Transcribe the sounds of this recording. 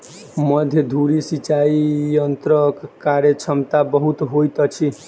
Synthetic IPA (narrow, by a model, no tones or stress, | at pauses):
mʌd̪ʱjʌd̪ʱuɾisit͡ʃaijʌnt̪ɾʌkkaɾjʌt͡sʰʌmt̪abʌɦut̪ɦojt̪ʌt͡sʰi